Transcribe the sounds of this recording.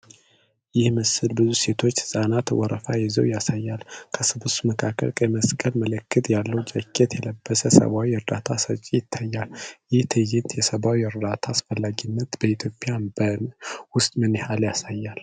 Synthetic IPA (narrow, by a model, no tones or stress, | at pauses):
jɪhməsɨlbɨzuse̞t̪ʰo̞t͡ʃːsʼanat̪wɔɾəfajɪzə̰wjasajːalkʰəsɨbɨsuməkʰakʰːə̰lkʼəməskʼəlmələkːɨt̪jalːəwd͡ʒʼəkʰʼːet̪jɛləbːəsəsə̰βawiɔɾd̪at̪ʰasət͡ʃʼːijɪt̪ʰːajːaljɪht̪ʰɨjɪt̪jɛsəβawiəɾd̪at̪ʰaːsfəlːaɡinːət̪bəit̪ʰjo̞pʼːɪjabənwʊst̪ʼmɨnɪhaljasajːal